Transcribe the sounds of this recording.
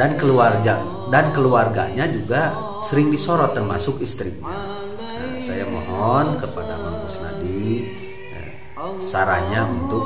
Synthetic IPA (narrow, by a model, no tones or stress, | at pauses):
dankəluarɡa | dankəluarɡa̰ɲad͡ʒuɡa | səɾɪŋdisoɾɔt̪ərmasʊkist̪ɾik̚ɲa | ə̰sajamɔ̰ɦɔnkəpadamabusna̰di | ə̰ | saɾaɲaunt̪ʊk̚